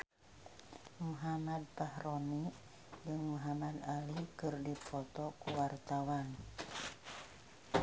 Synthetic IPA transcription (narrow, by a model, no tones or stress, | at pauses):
muɦamad̪̚pahroni | d͡ʒɨŋmuɦamad̪alikɨrdipɔt̪ɔkuwart̪awan